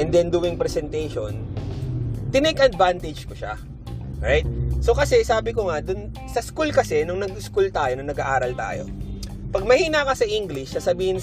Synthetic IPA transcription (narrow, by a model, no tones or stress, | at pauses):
ʔɛnd̪ɛnd̪ʊwɪŋpɾɛsɛnt̪ɛjʃon | t̪ɪnɛkʔɐd̪̚vant̪ɪd͡ʒkoʃa̰ | ʔʔoɹajt̪̚sokɐsɛsaːbɪkoŋɐd̪ʊn | sɐskulkɐsɛnʊŋnɐɡ̚ɪskult̪aːjonɐŋnɐɡaʔaːɾɐlt̪a̰ːjo̞̰ | pɐɡ̚mɐhiːnakɐsɐʔiŋɡlɪʃːɐsɐbiːhɪn